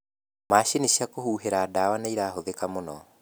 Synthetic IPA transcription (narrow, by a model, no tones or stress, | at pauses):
maːʃeniʃiakohuːɦeɾaːdawanaiɾaːɦoðekamonɔ